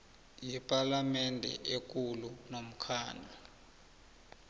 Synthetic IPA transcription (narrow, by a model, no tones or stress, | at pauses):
jɛpʼalamɛndʱɛ̰ʔek̬ulunom̩kʰaːnʱa